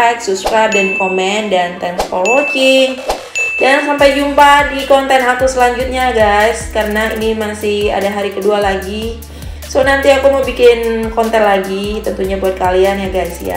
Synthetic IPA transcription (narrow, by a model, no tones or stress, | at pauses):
t̪supskɾajp̚dankomɛndant̪ɛnspolot͡ʃɪŋ | daŋnsampajd͡ʒumpadikɔnt̪ɛnɦakusəlaɲd͡ʒut̪̚ɲaɡajskaɾənainimasɪha̰daɦaɾikədualaɡi | sonant̪iakuməbikɪnkɔnt̪ɛnlaɡit̪ənt̪uɲabuat̪̚kalianjaɡajsja̰